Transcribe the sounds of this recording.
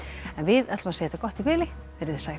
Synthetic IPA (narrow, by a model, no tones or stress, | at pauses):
ɛnvɪðɛt̪lmasejɛt̪akɔht̪ipɪːlɪ | fɛɾɪðɪ̥saːj